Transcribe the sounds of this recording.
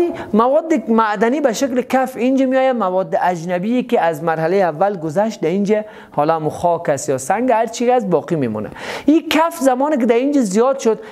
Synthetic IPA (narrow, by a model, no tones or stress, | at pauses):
limawɔd̪ːɪmad̪anibaʃeklɪkafind͡ʒamijɔjamawɔd̪ːɪʔad͡ʒnabiekɪazmaɾɦalejavːalɡʊzaʃt̪̚d̪aind͡ʒa | hɔlɔamuxɔkast̪jɔːsaŋɡhaɾt͡ʃʰikasbɔːqimemɔ̰ːna̰ikʰafzamɔːnɪk̬ɪd̪aind͡ʒazijɔd̪ʃʊd̪